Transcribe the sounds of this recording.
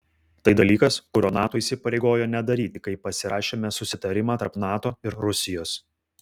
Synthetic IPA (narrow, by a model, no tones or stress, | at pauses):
t̪ɐɪd̪ɐlʲiːkɐskʊɾʲoːnɑːt̪oːisʲɪpɐɾʲeɪɡoːjoːnʲɛd̪ɐɾʲiːt̪ʲɪkɐɪpːɐsʲɪɾɑːʃʲeːmʲɛsʊsʲɪt̪ɐɾʲɪmɑːt̪ɐɾpnɑːt̪oːɪɾɾʊsʲɪjoːs